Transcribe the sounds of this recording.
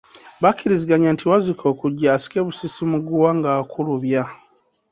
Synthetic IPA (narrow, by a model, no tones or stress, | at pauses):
βakiɾiziɡaɲantʰiwazikʰo̞ːkuɟːaːsi̥ke̞βusisimuɡuwaŋɡaːkʰuluβja